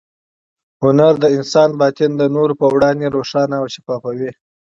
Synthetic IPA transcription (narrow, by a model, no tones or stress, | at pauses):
hʊnaɾd̪əɪnsɑːnbɑt̪ɪnd̪ənoɾpəwɽɑnd̪eɾoʂɑnaːwʃi̥fɑːfawi